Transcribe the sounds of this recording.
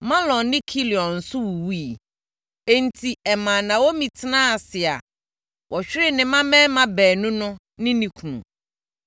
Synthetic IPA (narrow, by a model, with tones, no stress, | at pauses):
mã˦lɔ̃˨nːɪ̃˦kʰi˦li˨ɔ̃˨n̩˨sʊ˦wu˨wi˦˨ | e˦n̩˨tʰi˨ɛ˨mã˨nã˨wo˦mĩ˨tʰɪ˦nãː˦a˨sɪ˨a̰˨ | wʔɔ˨ɕᶣɾɪ˦nɪ̃˨mã˦mɛ̃ː˦mã˦bɛː˨nʊ̃˦nʊ̃˦ | nɪ̃˦nĩ˨kʰu˨nṵ̃˨